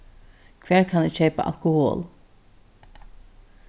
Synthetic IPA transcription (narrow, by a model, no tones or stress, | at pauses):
kʰvɛːɹkʰanɪʃeːpa̰ʔa̰lkʊho̰ːl